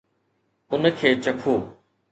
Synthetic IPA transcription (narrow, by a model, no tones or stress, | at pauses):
ʊnəkʰeːt͡ɕɐkʰoː